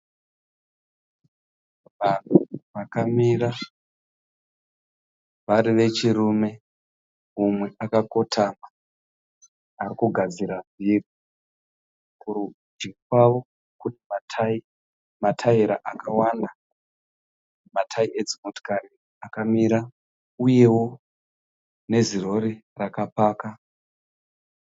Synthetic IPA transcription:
anoʋakamiɾa | ʋaɾiʋe̞t͡ʃiɾume̞ | umwe̞ʔakako̞tʰama | aɾikuɡʱad͡ziɾamiri | kuru | d͡ʒikwaʋo̞ | kutimatʰi | matʰaiɾa̰ʔakawanda | matʰaiʔe̞d͡zimoto̥kaɾi | akamiɾa | uje̞wo̞ | ne̞ziro̞ɾi | rakapaːka

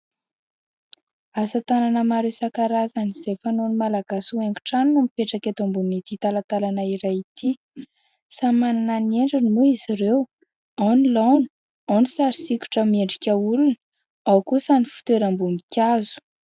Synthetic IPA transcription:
asət̪ananəmaɾesakaɾazaniz̥efanonimalaɡasueŋɡu̥ʈ͡ʂaninumipeʈ͡ʂaket̪ombunit̪it̪alat̪alanaiɾajit̪ʰi | samanananieɳɖ͡ʐinimuiziɾew | awnilawni̥ | awnisaɾisikʲu̥ʈ͡ʂəmieɳɖ͡ʐi̥kʲəulun | awkusanifu̥t̪eɾambumikʲazu̥

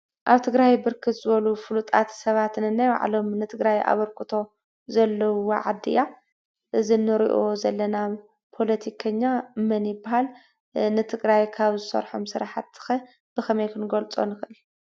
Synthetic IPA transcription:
ʔaβt̪ʰɨɡɾajbɨɾkʰɨt̪zɨβɐlufɨlut̪ʼa̰t̪sɐβat̪nɨnːajwa̰ʕ̰lo̞mnɨt̪ʰɨɡɾaja̰βɐɾkʰɨt̪ʰo̞ | zɐlːɐwoʕa̰d̪ːɨ̰ja | ʔɨzinɨɾḭʔo̞zɐlːɐna | pʰo̞lɐt̪ʰikʰɐɲːamɐnjɪbːahal | nɨt̪ʰɨɡɾajkʰaβzɨsɐ̰ɾħomsɨɾaħat̪ːɨ̥xɐ | b̥ɨkʰɐmɐjkʰɨnɡolt͡sʼo̞̰nɨxʔɨl

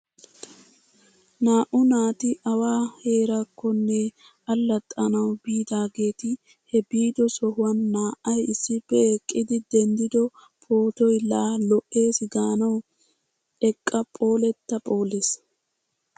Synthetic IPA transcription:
naːʔʊnaːt̪ɪʔɐwaːhe̞ːɾɐkːɔnːɛ | ɐlːɐt̪ʼːɐnɐwbiːd̪aːɡe̞ːt̪ɪ | hɛbiːd̪ɔsɔhʊwɐnːaːʔɐjɪsːɪpːɛɛkʼːɪd̪ɪd̪ɛnd̪ɪd̪ɔ | pʰʼoːt̪ɔjlaːlɔʔːe̞ːsɡaːnɐw | ɛkʼːɐpʼo̞ːlɛt̪ːɐpʼo̞ːleːs

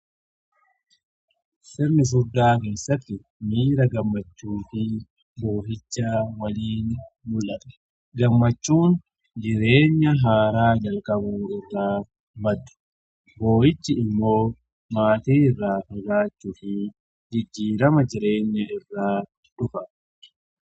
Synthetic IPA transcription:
sɪɾnɪs̬ʊd̪ːaːke̞ːsːɐt̪ːɪ | miːɾɐɡɐmːɐt͡ʃːuːfɪ | bo̞ːɦɪt͡ʃːaːwɐliːnmʊlʔɐt̪ɐ̥ | ɡɐmːɐt͡ʃːuːn | d͡ʒɪɾe̞ːɲːɐɦaːɾaːd͡ʒɐlkʼɐbuːɪrːaː | bɐd̪ʊ̥ | bo̞ːhɪt͡ʃːɪɪmːo̞ː | maːt̪iːɪrːaːfɐɡaːt͡ʃːʊfɪ | d͡ʒɪd͡ʒːiːɾɐmɐd͡ʒɪɾe̞ːɲːɐɪrːaː | ᶑʊfɐ

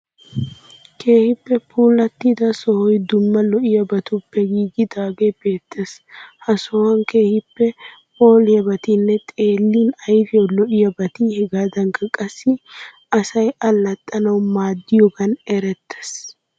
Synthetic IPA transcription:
kʰeːhɪpːɛpʰuːlɐt̪ːɪd̪ɐsɔhɔjd̪ʊmːɐlɔʔɪjɐbɐt̪ʊpːɛɡiːɡɪd̪aːɡeb̥e̞ːt̪ʰːes | hɐsɔhɐŋke̞ːhɪpːɛ | o̞ːlɪjɐbɐt̪inːɛt̪ʼe̞ːlːiːnɐjfɪjɔlɔʔɪjɐbɐt̪iːhɛɡaːd̪ɐŋkɐkʼɐsːɪ | ɐsɐjɐlːɐt̪ʼːɐnɐwmaːd̪ːɪjɔɡɐnɛɾɛt̪ʰːe̥s

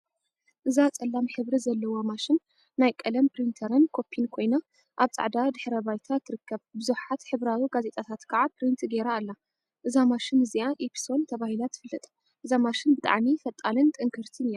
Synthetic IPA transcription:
ʔɨzat͡sʼɐlːamħɨβɾizɐlːɐwo̞maʃɪnː | ajkʼɐlɐmpɾint̪ʰɐɾɨnkʰo̞pʰːinkʰo̞jna | ʔaβt͡sʼa̰ʕd̪ad̪ɨħɾɐbajt̪ʰat̪ʰːɨɾɨkʰːɐβbɨzuħat̪ħɨβɾawiɡaze̞t̪ʼat̪ʰat̪kʰaʕapɾint̪ʰɡeɾaːlːa | ʔɨzamaʃɪnɨziaʔepʰi̥so̞nt̪ʰɐβahilat̪ʰːɨ̥fɨlːɨt̪ʼ | ʔɨzamaʃɪnbɨt̪ʼa̰ʕmifɐt̪ʼːalɨnt̪ʼɨŋkʰɨɾt̪ʰɨnɨja

